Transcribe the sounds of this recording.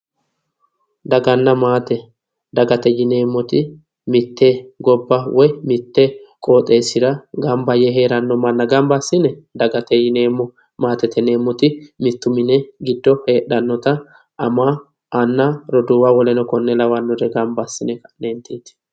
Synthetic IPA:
d̪ɐɡɐnːɐmaːt̪ɛ | d̪ɐɡɐt̪ɛjɪne̞ːmːɔt̪ɪ | mɪt̪ːeːɡɔbːɐwʔɔjmɪt̪ːekʼo̞ːt̪ʼːe̞ːsɪɾɐɡɐmbɐjɛɦe̞ːɾɐnːɔmɐnːɐɡɐmbɐsːɪnɛd̪ɐɡɐt̪ɛjɪneːmːɔ | maːt̪ɛt̪ɛne̞ːmːɔt̪ɪmɪt̪ːʊmɪnɛɡɪd̪ːɔhe̞ːɗɐnːɔt̪ɐ | ɐmaː | ʔɐnːaɾɔd̪uːwawɔlɛnɔkɔnːɛlɐwɐnːɔd̪ɛɡɐmbɐsːɪnɛɐneːnt̪eːt̪ɪ̥

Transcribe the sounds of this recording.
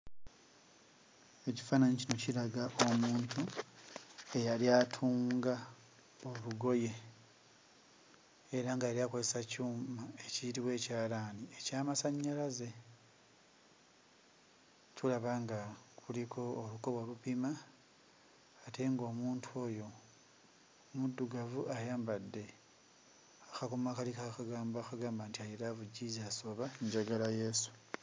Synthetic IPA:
e̞ci̥faːnaɲicino̞cilaɡaʔo̞muːntʰu | e̞jaliaːtʰuːŋɡa | oluɡo̞je̞ | ɾaŋɡajaɾjaːko̞ze̞sacuːmmae̞ciɾiwe̞ːcaːlaːniecaːmasaɲːalaze̞ | tulaβaŋɡakulikʰo̞ːluko̞βwalupima | te̞ŋɡo̞ːmuːntʰuo̞ːjo̞ | mudːuɡavuʔajaːmbadːe̞ | axakomakalikaxaɡaːmbaxaɡaːmbaːntiajiɾavuɟizaso̞βaiɲɟaɡalaje̞su̥

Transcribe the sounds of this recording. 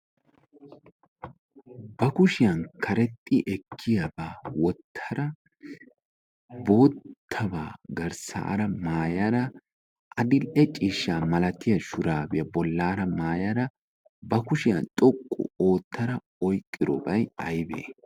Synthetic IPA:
bɐkʊʃɪjɐnkʰɐɾɛt̪ʼːɪʔɛkʰːɪjɐbaːwɔt̪ʰːɐɾɐ | bo̞ːt̪ʰːɐba̰ːɡɐɾsa̰ːɾɐmaːjɐɾɐ | ʔɐd̪ɪlʔɛt͡ʃʼiːʃːaːmɐlɐt̪ɪjɐʃʊɾaːbɪjɐbɔlːaːɾɐmaːjɐɾɐ | bɐkʊʃɪjɐ̰nt̪ʼɔkʼːʊ̰o̞ːt̪ːɐɾɐ | ɔjkʼːɪdɾɔ̰bɐjɐjbḛː

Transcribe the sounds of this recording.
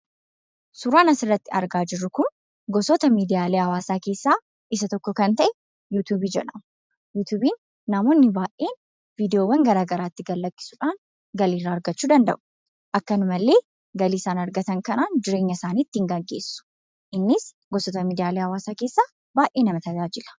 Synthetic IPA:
sʊɾaːnɐsɪrːɐt̪ːɪɐ̰ɾɡaːd͡ʒɪrːʊkʊn | ɡɔsɔt̪ɐmiːd̪ɪjaːleːɐwaːsaːke̞ːsːaː | ʔɪsɐt̪ɔkːɔkɐnt̪ɐʔɛ | juːt̪uːbiːd͡ʒɛᶑɐmʊ | juːt̪uːbiːnː | ɐmoːnːɪbaːʔe̞ːn | viːd̪ɪjoːwɐŋɡɐɾaːɡɐɾaːt̪ːɪɡɐlːɐkːɪ̥suᶑaːn | ɡɐliːrːaːɐɾɡɐt͡ʃːuːd̪ɐnd̪ɐ̰ʔʊ̥ | ʔɐkːɐnʊmɐlːe̞ː | ɡɐliːsaːnɐɾɡɐt̪ɐŋkɐnaːnd͡ʒɪɾe̞ːɲːɐsaːniːt̪ːɪŋɡɐɡːe̞ːsːʊ̥ | ʔɪnːɪs | ɡɔsɔt̪ɐmiːd̪ɪjaːleːhɐwaːsaːke̞ːsːaː | baːʔe̞ːnɐmɐt̪ɐd͡ʒaːd͡ʒɪlɐ̥

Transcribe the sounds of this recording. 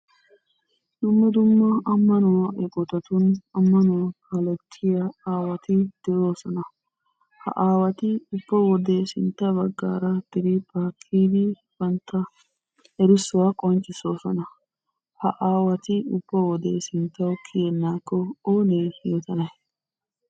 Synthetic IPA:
d̪ʊmːɛd̪ʊmːɐɐmːɐnʊwɐʔɛkʼɔt̪ɐt̪ʊnɐmːɐnʊwɐkɐlɛt̪ʰːɪjɐaːwɐt̪ɪd̪̥ɛjo̞ːsɔnɐ | hɐ̰ʔaːwɐt̪ɪʊbːɐwɔd̪esɪnt̪ːɐbɐɡːa̰ːɾɐd̪̥ɪɾɪpʰaːkʰːiːd̪ɪ | b̥ɐnt̪ːɐ | ɛɾɪsʊwakʼɔnt͡ʃʼːɪso̞ːsɔnɐ | hɐ̰ʔaːwɐt̪ɪʊb̥ːɔwɔd̪esɪnt̪ːɐwkʰɪjɛnːaːkːɔoːneːjot̪ɐnɐj

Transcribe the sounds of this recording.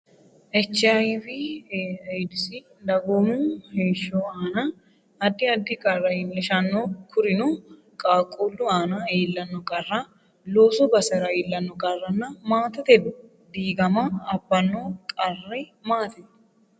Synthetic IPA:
ʔɛt͡ʃːajfɪ | jd̪ɪsi | d̪ɐɡomuːheːʃːoːaːna | ɐd̪ːɪɐd̪ːɪkʼɐrːɐɪnːɛʃɐnːoːkʰʊɾɪnu | kʼaːkʼuːlːʊaːnaeːlːɐnːɔkʼɐrːa | loːsɔbɐsɛɾɐeːlːɐnːɔkʼɐrːɐnːɐmaːt̪ɐt̪ɛ | d̪iːɡɐmaɐbːɐnːoːkʼɐrːemaːt̪ɛ

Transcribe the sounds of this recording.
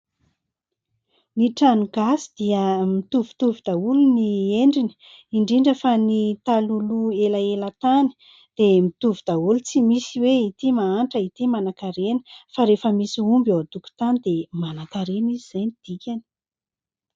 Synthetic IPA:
niʈ͡ʂanuɡ̥asi̥d̪̥iəmit̪uvu̥t̪uvid̪̥aulunieɳɖ͡ʐini̥ | iɳɖ͡ʐiɳɖ͡ʐəfanit̪aluluelaelat̪ani̥ | d̪̥emit̪uvud̪̥aulut͡simisiweit̪imaaɳʈ͡ʂəit̪imanakaɾenə̥faɾefəmisiumbod̪uku̥t̪anid̪emanakaɾenizizajnid̪̥ikʲani̥

